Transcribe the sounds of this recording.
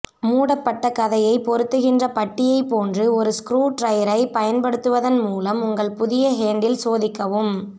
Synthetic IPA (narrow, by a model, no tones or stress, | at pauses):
muːɽɐpːɐʈːɐkɐðɐjɐɪpɔɾɯt̪ːɯɣɪndrɐpɐʈːɪjɐɪpoːndrɯɔɾɯskɾuːʈɾɐjɐɾɐɪpɐjɐnpɐɽɯt̪ːɯʋɐðɐnmuːlɐmʊŋɡɐɭpʊðɪjɐɦeːɳɖɪlsoːðɪkːɐʋɯm